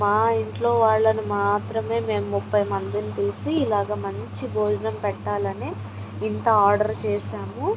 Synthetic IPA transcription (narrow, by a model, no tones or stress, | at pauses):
maːiɳʈlo̞ːʋaːɭːɐnumaːt̪ɾɐme̞ːme̞ːmmupːɐjmɐnd̪init̪iːsiːlaːɡaːmɐɲt͡ʃibʱoːd͡ʒɐnɐmpɛʈːaːlɐni | int̪ɐaːɾɖɐɾt͡ʃɛːʃaːmu